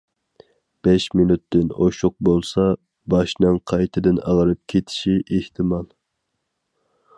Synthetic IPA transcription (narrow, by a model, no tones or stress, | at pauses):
b̥ɛʃmɪnut̪ːɪnoʃʊq̚bolˠsɑ | bɑʃnɨŋqʰɑjt̪ʰɨd̪ɨnɑ̰ʁəɾɨp̚kʲʰet̪ʰɪ̥ʃiʔeht̪ʰɨmɑlˠ